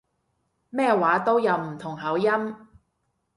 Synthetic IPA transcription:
mɛː˥waː˨˥t̪o˥wjɐ˨˧wm̩˨˩t̪ʰʊ˨˩ŋɦɐ˨˥wjɐ˥m

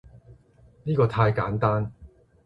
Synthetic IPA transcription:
niː˥kɔː˧t̪ʰaː˧jkaː˨˥nt̪aː˥n

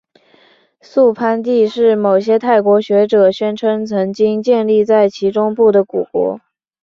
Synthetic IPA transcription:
su˥˩pʰa˥nt̪̬i˥˧ʂɻ̩˥˩mo˨˩ʊɕjɛ˥t̪ʰa˥˩ɪkwɔ˧˥ɕɥɛ˧˥ʈ͡ʂɤ˨˩ɕɥɛ˥nʈ͡ʂʰɤ˥ŋt͡sʰɤ˧˥ŋt͡ɕi˥ŋt͡ɕjɛ˥˧nli˥˧t͡sa˥˩ɪt͡ɕʰi˧˥ʈ͡ʂʊ˥ŋpu˥˩d̪ə˩ku˨˩kwɔ̰˧˥

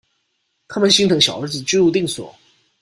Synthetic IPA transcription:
k̪ʰa˥mə˧˦nɕi˥ŋt̪ɤ˨˩˦ŋɕjɑ˨˩ʊə˞˧˥d͡zɹ̩˨˩t͡ɕy˥lu˥˧t̪i˥˩ŋswɔ̰˨˩˦

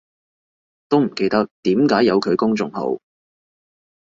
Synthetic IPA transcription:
t̪o˥wm̩˨˩ke˧jt̪ɐ˧k̚t̪iː˨˥mkaː˨˥jɐ˨˧wkʰɵ˨˧ɥkʊ˥ŋt͡sʊ˧ŋɦo̰˨˥w

